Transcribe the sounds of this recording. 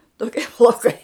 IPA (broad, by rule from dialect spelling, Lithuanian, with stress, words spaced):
toːˈkʲiɛ plˠɐʊˈkɐɪ